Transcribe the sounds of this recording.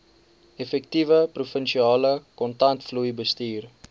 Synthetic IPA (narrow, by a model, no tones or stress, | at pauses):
ɛfɛk̚tivəprufənʃiɑːləkɔntɐntflujbəstiːr